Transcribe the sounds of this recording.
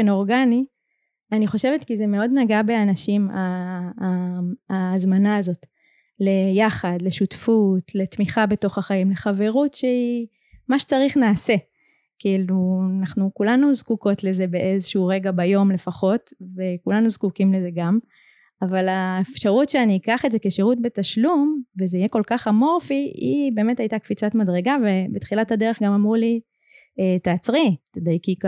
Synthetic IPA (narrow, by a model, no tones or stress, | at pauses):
enoʁɡani | aniχo̞ʃe̞vetkizeme̞o̞dnaɡabe̞anaʃima | azmanaːzo̞t | le̞jaχadle̞ʃutfutle̞tmiχabe̞to̞χaχaimle̞χave̞ʁutʃei | maʃe̥t͡saʁiχnaːse̞ | kiilunaχnukulanuzkuko̞tle̞ze̞beʔezeʃuuʁe̞ɡabajo̞mle̞faχo̞tvekulanuzkukimle̞ze̞ɡam | avalaefʃaʁutʃeaniːkaχetzeke̞ʃeʁutbe̞taʃlumvezeijeko̞lkaχamo̞ʁfiibe̞ːme̞thajtakfit͡satmadʁe̞ɡavebetχilathade̞ʁeχɡamamʁuli | etaːt͡sʁitedejkik